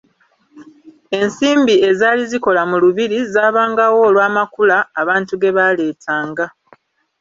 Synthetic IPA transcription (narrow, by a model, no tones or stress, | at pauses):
e̞nsiːmbie̞zaːliziko̞lamuluβiɾizaːβaːŋɡawo̞ːlwaːmakulaːβaːntuɡe̞βale̞ːtʰaːŋɡa